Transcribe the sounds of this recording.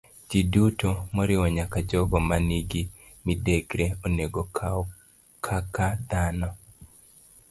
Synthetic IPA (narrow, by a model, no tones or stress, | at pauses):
d͡ʒidutomɔɾɪwɔɲakad͡ʒɔɡɔmaniɡi | mideɡɾeoneɡo | kʰakad̪anɔ